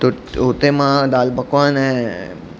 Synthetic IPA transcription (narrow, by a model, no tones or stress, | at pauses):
t̪u | ɦut̪emãd̪albəkʋãne